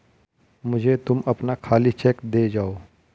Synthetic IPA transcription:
mʊd͡ʒʱet̪ʊmɐpnakʰaːlit͡ʃɛːkd̪eːd͡ʒaːoː

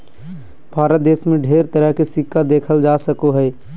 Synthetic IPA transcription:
bʱaːɾət̪̚d̪eːsmẽɖʱeːɾt̪əɾəɦkesɪkːad̪eːkʰəld͡ʒaːsəkoɦɛː

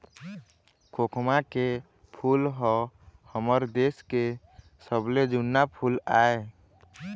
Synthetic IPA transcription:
kʰokʰmake | pʰulɦɔhəməɾd̪eske | səbled͡ʒunːapʰulae

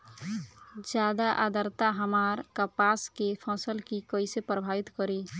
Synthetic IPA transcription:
d͡ʒjad̪aʔa̰d̪əɾt̪aɦəmaɾkəpaskepʰəsəlkikəjsepɾəbʱabit̪kəɾi

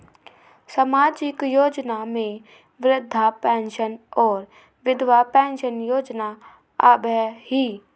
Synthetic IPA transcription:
səmaːd͡ʒɪkjoːd͡ʒnamẽ | ʋɾɪd̪ʱːapɛ̃ːnʃənɔːɾ | ʋɪd̪ʋapɛ̃ːnʃənjoːd͡ʒna | a̰bɛɦiː

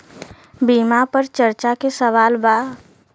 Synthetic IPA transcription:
bimapəɾt͡ʃəɾt͡ʃakesəʋaːlbaː

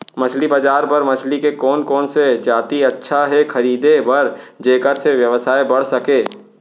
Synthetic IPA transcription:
mɐt͡ʃʰlibad͡ʒaːɾpɐɾmɐt͡ʃʰlikekɔːnkɔːnsed͡ʒaːt̪iɐtːʃʰaɦɛxɐɾiːd̪ebɐɾd͡ʒeːkəɾseʋjɐʋəsaːebɐɽ̤sɐkeː

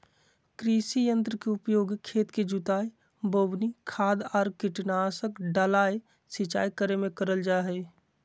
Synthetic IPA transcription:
kɾiːsijə̃nt̪ɾəkeʊpjoːɡkʰeːt̪ked͡ʒut̪aːe | boːbnikʰaːd̪ɔːɾkɪʈnaːsəkɖalaːe | sɪt͡ʃa̰ːikəɾemẽkəɾəld͡ʒaːɦɛ

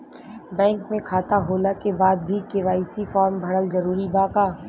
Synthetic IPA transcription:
bɛ̃ːŋkmẽkʰaːt̪aɦoːlakebaːd̪̚bʱikɪʋaːisifɔːɾmbʱɐɾəlzɐɾuːɾibaːkaː

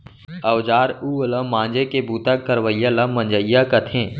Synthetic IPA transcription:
əwd͡ʒaːɾuːələ̃mãːnd͡ʒekebuːt̪akːəɾʋəijaləmə̃nd͡ʒəijakət̪ʰẽː

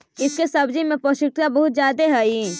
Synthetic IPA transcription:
ɪskesɐbd͡ʒimẽpɔʃʊk̚t̪abɐɦʊt̪zjaːd̪eɦɛi

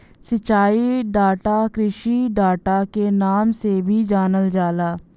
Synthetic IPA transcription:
sət͡ʃːaːiːɖaːʈaːkɾɪʃiːɖaːʈaːkeːnaːmsebʱiːd͡ʒaːnəld͡ʒaːlaː

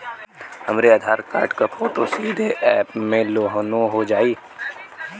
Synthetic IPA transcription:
hɐmɾeaːd̪ʱaːɾka̰ːɾʈkɐpʰoːt̪osiːd̪ʱeʔɛːpmẽloːɦnõɦod͡ʒaːiː

